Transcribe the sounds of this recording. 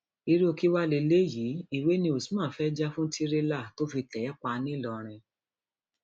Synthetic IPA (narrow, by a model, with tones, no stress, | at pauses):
i˧ɾi˦o˧ki˦wa˦le˧le˦ji˨˦i˨we˨˦nĩ˧o˨si˦mã˦˨fɛ˦d͡ʒa˦fũ˦ti˦ɾe˦la˦˨to˦fi˧tɛ˨˦k͡pa˧nĩ˦˨lɔ˨ɾ̃ɛ̃˧